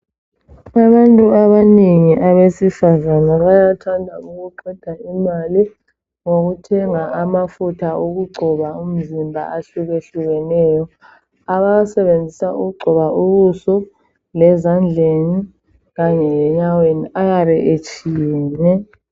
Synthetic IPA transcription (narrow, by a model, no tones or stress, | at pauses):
aβantʼuaβaneŋiʔaβesifazanaβajatʰandʱauɣuǃɛd̥ʱaimali | ŋoɣutʰɛŋaʔamafutʰauɣuɡ͡ǃʱɔβaum̩zimbʱa̰aɬuɣeɬuɣɛnɛːjɔ | aβajsɛβend͡zʱisaʔuɣuɡ͡ǃʱɔβaʔuβusɔ | lɛzand͡ɮʱeni | ɣaɲɛlɛɲaweniʔaɣaβɛʔet͡ʃʼijɛːnɛ